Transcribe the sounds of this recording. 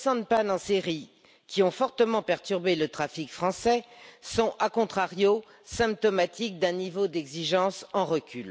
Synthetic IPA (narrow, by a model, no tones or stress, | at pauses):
sɑ̃d̪panɑ̃seʁi | kʲiɔ̃fɔʁt̪əmɑ̃pɛʁt̪yʁbelət̪χafikfχɑ̃sɛsɔ̃ʔakɔ̃t̪χaʁjo | sɛ̃p̚t̪ɔmat̪ʰik̚d̪ɛ̃nivod̪ɛɡziʒɑ̃sɑ̃ʁəkʲyl